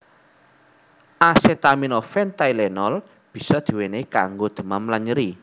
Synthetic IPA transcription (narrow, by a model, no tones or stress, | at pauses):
ʔasɛt̪aminofɛnt̪ailɛnɔl | b̥i̤sɔd̪̥i̤weneka̰ŋɡod̪̥ə̤mamlaɲəɾi